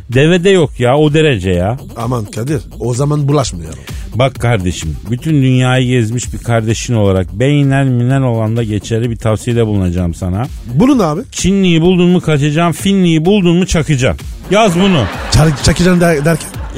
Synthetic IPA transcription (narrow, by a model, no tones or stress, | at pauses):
d̪e̞ved̪ɛjo̞kjaod̪e̞ɾe̞d͡ʒɛjaː | amankʰad̪iɾ | ozamanbulˠaʃmaja̰ | bakʰːaɾd̪e̞ʃimbyt̪ʰynd̪ynjaːjɯɟɛzmiʃbiɾkʰaɾd̪e̞ʃino̞lˠaɾak̚bejinænminæno̞lˠand̪aɟet͡ʃʰeɾʲibit̪ʰafsijed̪ɛbulˠunad͡ʒaːmsana | bulˠunaːbɪt͡ʃʰinlːʲijibulˠd̪unmukʰat͡ʃʰad͡ʒaːmfinlʲijibulˠd̪unmut͡ʃʰakɯd͡ʒa̰mjazbunut͡ʃʰat͡ʃʰakɯd͡ʒamd̪æɾcʰæ̥n